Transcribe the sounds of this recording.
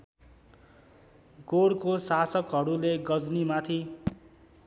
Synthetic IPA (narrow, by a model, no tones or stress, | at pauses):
ɡoɽkosasʌkɦʌɾuleɡʌd͡znimat̪ʰi